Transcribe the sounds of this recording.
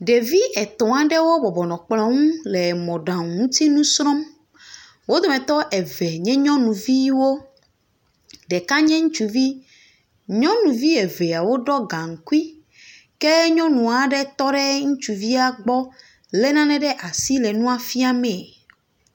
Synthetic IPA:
ɖe˨vi˦ʔɛ˨t̪ɔ̃˨a˨ɖɛ˦wo˦bɔ˨bɔ˨nɔ̃˨k͡plɔ̃˨ŋũ˦lɛ˨mɔ̃˨ɖã˨ŋũ˦t̪i˦nũ˦sɾɔ̃˦m | wo˦d̪o˨mɛ̃˨t̪ɔ˦ʔɛ˨vɛ˨ɲɛ̃˦ɲɔ̃˦nũ˨vi˦wo˦ | ɖɛ˨ka˦ɲɛ̃˦ŋũ˦t͡ʃu˨vi˦ | ɲɔ̃˦nũ˨vi˦ɛ˨ve˨a˨wo˦ɖɔ˦ɡã˨ŋ̩˨ku˦i˦ | kɛ˦ɲɔ̃˦nũ˨a˨ɖɛ˦t̪ɔ˦ɖɛ˦ŋũ˦t͡ʃu˨vi˦a˦ɡ͡bɔ˦ | lɛ˦nã˦nɛ̃˦ɖɛ˦ʔa˨si˦lɛ˨nũ˦a˨fi˦a˦mɛ̃˨

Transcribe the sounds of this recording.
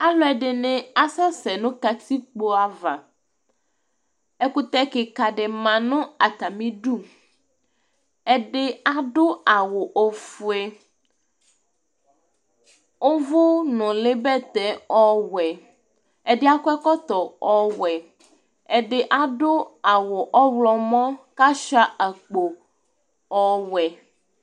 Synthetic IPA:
a˦lɔ˦ɛ˨ɖɪ˨nɪ̃˦a˦sa˦sɛ˨nʊ̃˦ka˨t̪i˦k͡po˨a˨va˨ | ɛ˨kʊ˦t̪ɛ˦kɪ˨ka˨ɖɪ˨mã˨nʊ̃˦a˨t̪a˨mĩ˦ɖu˦ | ɛ˨ɖɪ˦a˦ɖʊ˦a˨wʊ˨ʔo˨fu˨ɛ˨ | o˦vo˦nɔ̃˨le˦bɛ˦t̪ɛ˨ɔ˦wɛ˨ | ɛ˨ɖɪ˦a˦kɛ˦kɔ˦t̪ɔ˨ɔ˦wɛ˨ | ɛ˨ɖe˨ʔa˦ɖo˦a˨wo˨ʔɔ˦wlɔ˨mɔ̃˦ka˦ʃa˦a˨k͡po˨ | ɔ˦wɛ˨

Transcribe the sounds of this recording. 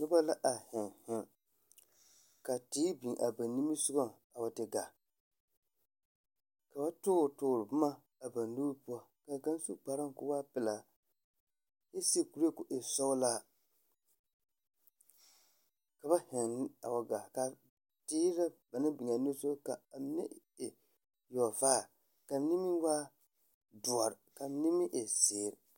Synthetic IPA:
nʊ˦ba˦la˦ʔa˨hɪ˨ŋhɪ˨ŋ | ka˨tiː˦bi˨ʔa˨ba˨nːi˦mi˦sʊ˦ɡa˦ | a˨wa˨tɪ˨ɡa˨ | ka˨ba˦tʊ˦˨tʊː˨ɾɨ˨bʊ˦ma˦ | a˨ba˨n˦lu˦ɾpu˦ɔ˦ | ka˨ka˦n˦su˦k͡pa˨ɾa˦ŋ˨kʊ˦wa˦pɪ˨la˨ | je˦sku˨ɾe˦kʊ˨ʔe˨sɔ˦wlaː˦ | ka˨ba˦hɛ˨n˦a̰˨wa˨ɡa˨ka˨ | diː˦ɾa˦ba˨nɪ˦bɪ˨ŋ˨a˨nu˦so˦ka˨˦nḭ˦ | e˨ | jɔ˨vaː˦˨ | ka˨˦ni˦mi˦waː˦ | du˨a˨ɾɪ˨ka˨ni˦mi˦ʔe˨se˨ɾ

